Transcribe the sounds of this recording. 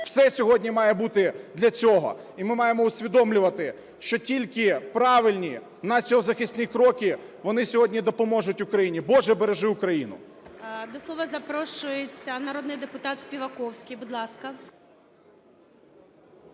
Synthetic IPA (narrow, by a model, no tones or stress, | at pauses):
wsɛsʲɔɦɔdʲnʲimɑjɛbut̪ɪd̪lʲɐt͡sʲɔɦɔ̰ | imɪmɑjemɔʊsʲʋʲid̪ɔmlʲʊʋɐt̪ɪ | ʃt͡ʃɔtʲilʲkɪpɾɑʋɪlʲnʲi | nɐsʲɔɔzɐxɪsʲt̪ʲnʲikɾɔkʲɪ | ʋɔnɪsʲɔɦɔdʲnʲid̪ɔpɔmɔʒʊtʲʊkɾɐjinʲibɔʒɛbeɾeʒɪʊkɾɐjinʊ̰ | d̪ɔslˠɔʋɐzɐpɾɔʃʊjet͡sʲːɐnɐɾɔd̪nɪjd̪epʊt̪ɑt̪sʲpʲiʋɐkɔwsʲkʲɪjbʊd̪lˠɑskɐ